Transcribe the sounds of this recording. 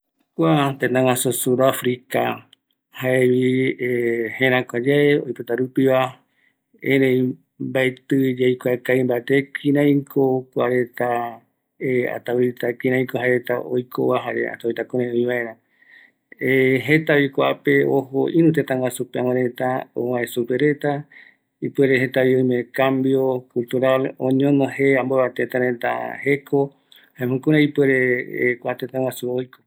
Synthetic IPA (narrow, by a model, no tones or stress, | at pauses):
kʷat̪et̪ãŋasusuɾafɾika | haeβiehẽɾãkʷad͡ʒaeojpɨt̪aɾupiβa | ḛ̃ɾẽj̃ | mbaet̪ɨd͡ʒejkʷakaĩmbaet̪ekʰĩɾãj̃kʰokʷaɾe̞t̪a | ea̰t̪awit̪akĩɾãj̃koɦaeɾet̪aʔojkʰo̰βaɦaɾḛa̰t̪awit̪akõɾẽũĩβaẽ̞ɾ̃ã | eɦet̪aβikʷaʔape̞oɦoʔĩɾũt̪̬et̪ãwasupeãwãɾet̪ao̰wãesupeɾet̪a | ipweɾehet̪aβioj̃mẽkambjokult̪uɾalõ̰ɲõnõheãmboβat̪et̪aɾẽt̪a̰hekʰo | haẽmõkũɾẽipweɾekʷaʔat̪et̪ãwasuojko